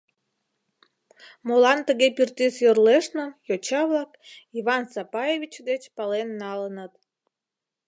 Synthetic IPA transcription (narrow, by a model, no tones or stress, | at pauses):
molɑnt̪əɣepirt̪isjorleʃnə̆jot͡ɕɑβlɑkiβɑnsɑpɑjeβʲit͡ɕd̪et͡ɕpɑlenːɑlənət̪